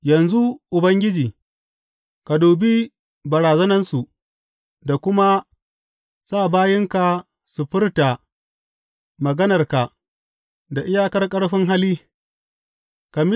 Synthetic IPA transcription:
jɐ˨nzu˦ʔʊ˨bɐ˦ŋɡʲɪ˦d͡ʒiː˨ | ka˨duː˨biː˦ | bɐ˨ɾaː˨zɐ˦nɐ˦nsu˨ | da˨kʷʊ˦ma˦ | saː˦˨baː˦jɪ˦ŋka˨ | su˨ɸɪ˦rta˨ | mɐ˨ɡɐ˦nɐ˨rka˨ | da˨ʔɪ˦jaː˦kɐ˦rkʼɐ˦ɽɸɪ˦ŋɦa˦liː˦ | ka˨m˦

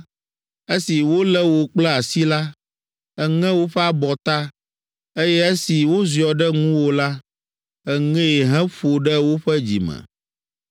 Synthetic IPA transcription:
e˦si˨wo˦lɛ˦wo˨k͡plɛ˦a˨si˦la˦ | ɛ˨ŋɛ̃˦wo˦ɸɛ˦a˦bɔ˨t̪a˦ | e˦jɛ˦e˦si˨wo˦zi˨ɔ˨ɖɛ˦ŋũ˦wo˦la˦ | ɛ˨ŋɛ̃˦˨ɦɛ̃˦ɸo˨ɖɛ˦wo˦ɸɛ˦d͡ʑḭ˨mɛ̰̃˨

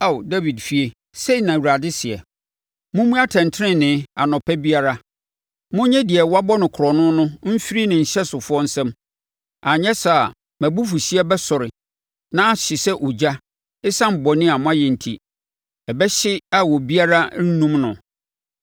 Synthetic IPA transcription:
a˦˨da˦vi˨dfi˨e˨ | se˦i˨nã˨wu˨ɾa˨dɪ˦sɪ˨ɛ˨ | mʊ̃˦mũ˦a˦tʰɛ̃˨ntʰɪ˦ɾɪ̃˦nɪ̃˨˦a̰˨nɔ̃˨pʰɛ˦bi˦a˦ɾa˦ | mʊ̃˦ɲɛ̃˦dɪ˨ɛ˨wa˦bɔ˦nʊ̃˨kʰʊ˨ɾɔ˨nʊ̃˦nʊ̃˦m̩˦fi˦ɾi˦nɪ̃˨ɲ̩˨ɕɛ˦sʊ˨fʊ˦ɔ˦n̩˦sɛ̃˦m | a˨ɲɛ̃˦sa˨ | mæ̃˨bu˦fu˨ɕi˦ɛ˦bɛ˦sɔ˨ɾɪ˨ | nã˦ɕɪ˨sɛ˦ʔʊ˨d͡ʑa˦ | ɪ˦sã˦m̩˨bɔ˨nɪ̃˦a˨mʊ̃˦a˦jɛ˨n̩˨tʰḭ˦ | ɛ˨bɛ˦ɕɪ˦a˦wɔ˨bi˦a˦ɾa˦n̩˦nũ˦mnʊ̰̃˨

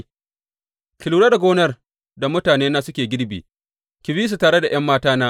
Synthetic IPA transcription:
kʲɪ˨luː˨ɽaː˦da˨ɡʷoː˦nɐ˦r | da˨mʊ˦taː˨neː˦naː˦sʊ˦kʲeː˨ɡʲɪ˦ɽbḭ˨ | kʲɪ˨biː˦s̬u˨taː˨ɽe˦da˨j̰ɐ˦mːaː˦taː˦naː˦

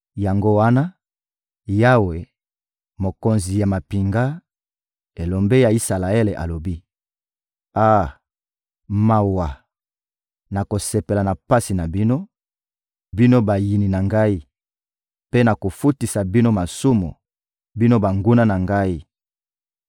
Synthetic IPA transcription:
ja˨ŋɡo˦wa˦na˦ | ja˦we˨ | mo˨ko˨nzi˨ja˨ma˨pi˨ŋɡa˦ | e˨lo˨mbe˦ja˨i˦sa˨la˨e˦le˨ʔa̰˨lo˨bi˦ | a˦ | ma˨wa˨ | na˨ko˨se˨pe˨la˨na˨pa˦si˨na˨bi˦no˦ | bi˦no˦ba˨ji˨ni˨na˨ŋɡa˦i˦ | pe˦na˨ko˨fu˦ti˨sa˨bi˦no˦ma˨su˦mṵ˨ | bi˦no˦ba˨ŋɡu˦na˦na˨ŋɡa˦i˦

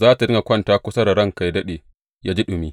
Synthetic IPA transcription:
zaː˦ta˨ɾɪ˦na˨kʷɐ˦ntaː˦kʷʊ˦sɐ˦da˨ɾɐ˦˨ŋka˨jdɐ˦ɗeː˨ | jaː˦d͡ʒi˦ɗʊ˨mi˦

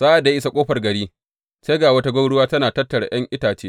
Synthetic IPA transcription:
z̥aː˦ʔa˨dːa˨e˦ɪ˦sa˦˨kʷʼoː˦ɸɐ˨rɡɐ˨ɽiː˦ | se˦ɡaː˨wɐ˦ta˦ɡʷɐ˦wɽʊ˦waː˦tɐ˦naː˨tɐ˦tːɐ˨ɽa̰˨j̰ɐ˦ŋʔɪ˦taː˨t͡ʃeː˦

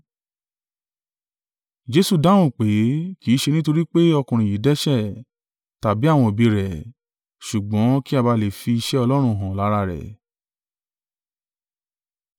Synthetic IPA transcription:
d͡ʒe˦su˨da˦w̃ũ˦˨k͡pe˨˦ki˨˦ʃe˧nĩ˦to˧ɾi˦k͡pe˦ɔ˧kũ˨ɾ̃ĩ˨ji˨˦dɛ˦ʃɛ˦˨ | ta˨bi˨˦a˦˨w̃ɔ̃˧o˨bi˧ɾɛ˨ | ʃu˨ɡ͡bɔ̃˨˦ki˦a˦˨ba˧le˨fi˧i˧ʃɛ˦ɔ˧lɔ˦ɾ̃ũ˧˨ɦã˨la˨˦ɾa˧ɾɛ̰˨

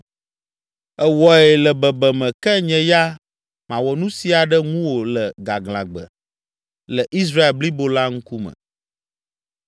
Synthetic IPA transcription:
ɛ˨wɔ˨ɛ˨lɛ˨bɛ˨bɛ˨mɛ̃˨kɛ˦ɲɛ̃˨ja˦ | mã˨wɔ˨nũ˦si˨a˨ɖɛ˦ŋũ˦wo˨lɛ˨ɡa̰˨ɡlã̰˨ɡ͡bɛ̰˨ | lɛ˨ʔi˦s̬ɾa˦e˨lbli˦bo˦la˦ŋ̩˦ku˦mɛ̰̃˨

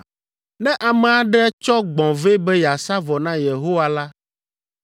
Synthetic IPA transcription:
nɛ̃˦ʔa˨mɛ˨a˨ɖɛ˦t͡ʃɔ˦ɡ͡bɔ̃˨ve˦bɛ˦ja˨sa˦vɔ˨nã˦je˨ɦo˦wa˦la˦

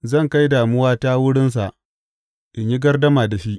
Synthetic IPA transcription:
zɐ˦˨ŋka˦jdaː˨mʊ˦waː˦ta˦wʊ˦ɽɪ˦ns̬a˨ʔ | ʔɪ˨ɲji˦ɡɐ˦rdɐ˦maː˨da˨ʃi˦ʔ

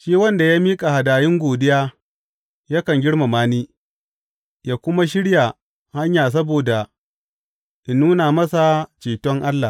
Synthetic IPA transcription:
ʃiː˦wɐ˦nda˨jaː˦miː˦kʼa˨ha˨daː˨jɪ˦ŋɡʷoː˨dɪ˦jaː˦ | ja˦kɐ˨ŋɡʲɪ˦ɽma˨maː˦niː˦ | jaː˦kʷʊ˦ma˦ʃ̬ɪ˦ɽja˨ | ha˦ɲjaː˨s̬ɐ˦boː˨da˨ | ʔɪ˨nːuː˦na˨mɐ˦sa˨t͡ʃeː˨tɔ˦ŋʔa˦lːa˨

